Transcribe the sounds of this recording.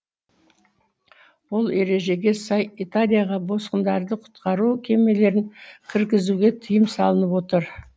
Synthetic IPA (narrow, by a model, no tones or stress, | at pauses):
wo̞lˠe̞ɾe̞ʒe̞ɡʲe̞sɑjit̪alʲijaʁɑbo̞sqənd̪ɑɾd̪əqʰʊ̥t̪qɑɾukʲʰe̞me̞le̞ɾɪŋkʲʰɪɾkʲɪzuɡʲe̞t̪ʰijəmsɑlˠənəpwo̞t̪əɾ